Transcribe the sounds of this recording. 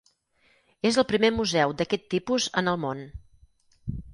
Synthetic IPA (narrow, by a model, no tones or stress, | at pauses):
ezəlˠpɾimemuzɛwd̪əkɛt̪ːipuzənəlˠmon